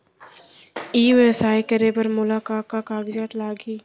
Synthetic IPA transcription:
iːʋesaːikɐɾepɐɾmʊlaːkaːkakaːɡd͡ʒaːt̪laːɡiː

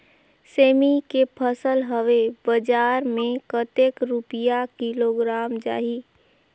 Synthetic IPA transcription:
seːmikepʰəsəlɦəʋebəd͡ʒaːɾmẽkət̪eːkɾupijakɪloɡɾaːmd͡ʒa̰ːɦi

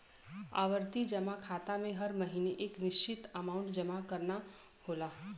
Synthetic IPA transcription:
a̰ːʋəɾt̪id͡ʒəmakʰaːt̪amẽɦəɾməɦiːneʔeːkʋɪʃt͡ʃɪt̪əmaːʊ̃ɳʈd͡ʒəmakəɾna | hoːlaː

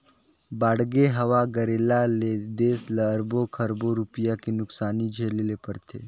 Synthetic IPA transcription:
baːɽɡeɦɐʋaɡəɾeːlaled̪eːsləɾbokʰəɾboɾʊpɪjakenʊksaːnid͡ʒʱeːlelepɐɾt̪ʰḛː

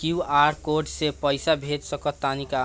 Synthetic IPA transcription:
kiuaɾkoɖsepəɪsabʱet̪səkɔt̪anika

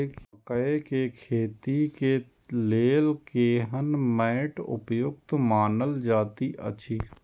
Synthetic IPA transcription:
ekəekekʰeːt̪ike | leːlkeːɦənmɛːʈʊ̰pjʊɡt̪maːnəld͡ʒaːt̪iʔə̰t͡ʃʰiː

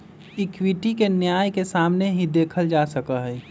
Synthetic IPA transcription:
ɪkwiʈikenjaːjkesaːmneɦĩd̪eːkʰəld͡ʒasəkəɦɛː

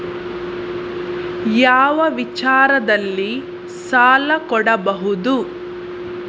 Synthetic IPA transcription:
jaːʋɐʋit͡ʃaːɾɐd̪ɐlːi | saːlɐkɔɽɐbɐɦud̪u

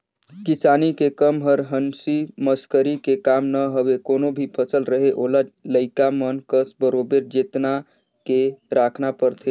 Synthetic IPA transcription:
kisanikekəmɦəɾɦənsiməskəɾikekamnəɦəbekonobʱipʰət͡ʃəlɾəɦeʔolaləɪkamənkəsbəɾobeɾd͡ʒet̪na | keɾakʰnapəɾt̪ʰe

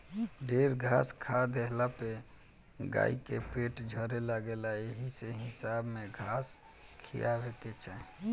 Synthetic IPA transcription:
ɖeɾɡʱaskʰad̪eɦlape | ɡa̰ikepeʈd͡ʒʱəɾelaɡelaeɦiseɦɪsabmeɡʱas | kʰḭjabeket͡ʃa

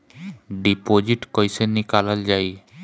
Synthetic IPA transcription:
ɖipod͡ʑiʈkɔjsenːikalald͡ʑaj

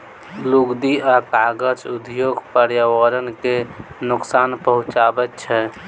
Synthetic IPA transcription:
luɡd̪iakaɡəd͡ʒud̪joɡpəɾjawəɾənkenuksaːnpəɦũt͡ʃabɛt̚t͡ʃʰɛ

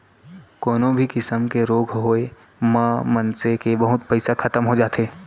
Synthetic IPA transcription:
kɔːnõbʱikɪsəmkeɾoːɡʱɦoːe | mãmənsekebɐɦʊt̪pɛɪsakʰɐt̪əmɦod͡ʒaːt̪eː

